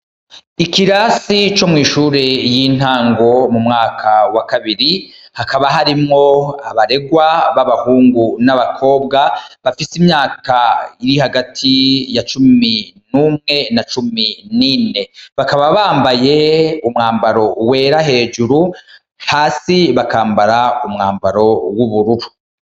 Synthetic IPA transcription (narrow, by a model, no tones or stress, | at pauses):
ikiɾasit͡ʃo̞mŋiːʃuːɾe̞jiːn̥aːŋɡo̞mumŋaːkʰawakaβiɾihakaβaɦaɾimŋo̞aβaɾe̞ɡwaβaβahuːŋɡunaβakʰo̞ːbɡaβafisimɲaːkaiɾihaɡatʰijat͡ʃuminuːmŋe̞nat͡ʃuminine̞βakaβaβaːmbaje̞umŋaːmbaɾo̞we̞ːɾaɦe̞ːd͡ʒuɾu | haːsiβakaːmbaɾaumŋaːmbaɾo̞wuβuɾuɾu